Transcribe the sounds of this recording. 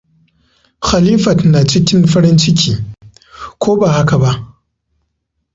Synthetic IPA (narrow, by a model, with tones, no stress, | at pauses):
xa˨liː˦fɐ˨tna˨t͡ʃɪ˦kʲɪ˦nɸɐ˦ɽɪ˦nt͡ʃɪ˦kʲʰiː˨ | kʷʰoː˦ba˨ha˦ka˨ba˦ʔ